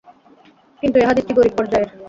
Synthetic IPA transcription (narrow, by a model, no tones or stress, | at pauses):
kint̪ueɦad̪it̪iɡoɾik̚pɔɾd͡ʑaeɾ